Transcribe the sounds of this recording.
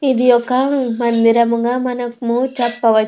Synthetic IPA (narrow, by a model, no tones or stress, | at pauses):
id̪ijɔkːɐɳumɐnd̪iɾɐmuŋɡamɐnɐkmut͡ʃɐpːɐʋɐ